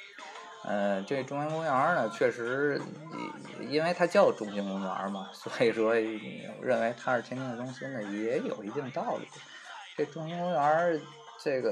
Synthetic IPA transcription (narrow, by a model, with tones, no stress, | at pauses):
ə˧ʈ͡ʂe˥˩ə˩ʈ͡ʂʊ˥˧ŋja˥nkʊ˥ŋə˞˧˥nə˨t͡ɕʰɥɛ˥˩ʂɻ̩̰˧˥˨ | i˥nwe˥˧ɪt̪ʰa˥t͡ɕjɑ˥˩ʊʈ͡ʂʊ˥ŋɕi˧˥ŋkʊ˧˥ŋə̰˧˥mɐ˨swɔ˧˥i˨˩ʂwɔ̰˥˨˩ɻə˥˩nwe˧˥ɪt̪ʰa˥ʂɻ̩˥˩t̪ʰɛ˥nt̪ʰɛ˥˩ŋd̪ə˩tʊ˥ŋɕi˥nə˩jɛ˧˥jo˨˩ʊi˧˥t̪i˥˧ŋə˧t̪ɑ˥˧˩ʊlṵ˥˩ | ʈ͡ʂe˥˩ə˧ʈ͡ʂʊ˥ŋɕi˥ŋkʊ˥ə˧˥ | ʈ͡ʂe˥˩ɪɡə˩